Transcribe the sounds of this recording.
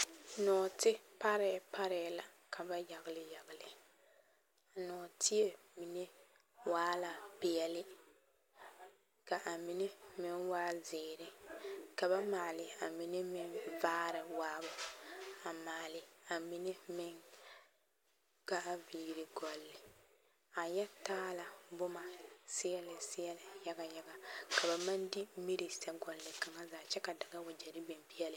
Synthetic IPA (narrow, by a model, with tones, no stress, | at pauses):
nɔː˨tɪ˦pa˦ɾɛ˨pa˦ɾɛ˨˦la˨ | kʰa˨ba˦ja˨ɣɪ˨lɪ˦ja˨ɣɪ˨lɪ˨ | a˨nɔː˨tʰɪ˦e˨ | mi˨ne˦ | waː˦la˨pɪ˨ɛ˨lɪ˦ | ka˨ʔa˨mi˨ne˦mɪ˦ŋwaː˦zɪː˨ɾɪ˦ka˨ba˦maː˨lɪ˨a˨mi˨ne˦mɪ˦ŋvaː˦ɾɪ˨waː˦bʊ˨a˨maː˨lɪ˨a˨mɪ˨nɪ˦mɪ˦ŋ | ka˦ʔa˦viː˨ɾɪ˨ɡɔ˨lːɪ˨ | a˨jɛ˦taː˦la˨bʊ˦ma˨sɪ˦jɛ˦lɪ˨sɪ˦jɛ˦lɪ˨ja˦ɡa˨ja˦ɡa˨ka˨ba˨ma˦ndi˦mi˦ɾi˨sɛ˦ɡɔ˨lːɪ˨ka˨ŋa˦zaː˨t͡ʃɛ˦ka˨da˨ɡa˦ʊ˨d͡ʒɛ˨ɾɪ˦be˨mbi˦ɛ˦lɪ˨